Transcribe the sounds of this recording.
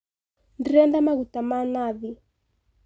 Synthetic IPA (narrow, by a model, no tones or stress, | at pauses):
ndɛndamaɣutamanaði